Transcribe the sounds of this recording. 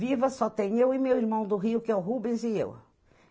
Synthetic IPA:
vivɐsɔt̪ẽɲ̃ewɪmewiɾmɐ̃w̃d̪ʊɦiʊkɪɛʊɦubẽzɪḛw

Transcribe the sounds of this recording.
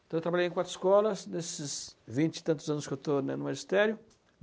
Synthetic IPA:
t̪ɐ̃wewt̪ɾbaʎej̃kwat̪ɾɪ̥skɔlɐsnesɪsvĩnt͡ʃɪ̥t̪ɐ̃nt̪ʊzɐ̃nʊskɪewt̪onɛnʊmaʒist̪ɛɾjʊ

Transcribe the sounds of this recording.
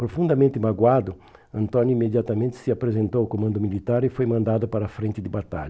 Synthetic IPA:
pɾofũnd̪ɐmẽnt̪imaɡwad̪ʊ | ɐ̃nt̪ɔ̃njʊimed̪jat̪ɐmẽnt̪ɪ̥sɪapɾezẽnt̪owakomɐ̃nd̪ʊmilit̪aɾefojmɐ̃nd̪ad̪ʊpaɾɐfɾẽnt̪ɪd̪ɪbat̪a̰ʎɐ

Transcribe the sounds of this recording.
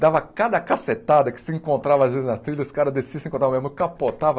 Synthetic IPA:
d̪avɐkad̪ɐkaset̪ad̪ɐkɪ̥sɪẽŋkõnt̪ɾavɐazvezɪznɐst̪ɾilɐzsɪ̥kaɾɐd̪essisẽŋkõt̪ɾamẽzmʊkapot̪avɐ

